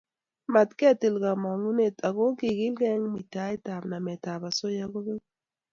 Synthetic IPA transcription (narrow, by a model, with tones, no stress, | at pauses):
ma˨t̪kɛ˦˨ti˨lɡa˨ma˨ŋu˦ne˨ta˨ɡo˦ki˨ɡi˦lɡɛ˦ŋmi˨ta˦jta˨bna˨mɛ˨ta˨ba˨so˦ja˦ɡo˦ɡe˦ŋ